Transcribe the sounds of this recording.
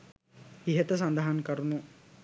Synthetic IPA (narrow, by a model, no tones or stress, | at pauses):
iɦet̪ɐs̬ɐnd̪ɐɦankɐɾunu